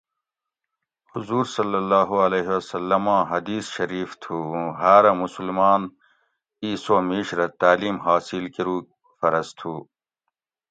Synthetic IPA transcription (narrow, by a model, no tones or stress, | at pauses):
huzuːɾsɐlːɐlːaːɦuɐleːɦewɐsɐlːɐmãːɦɐd̪iːsɕɐɾiːft̪ʰuːɦaːɾɐmusulmaːn | iːsoːmiːɕɾɐt̪aːliːmhaːsilkiɾuː | fɐɾɐst̪ʰuː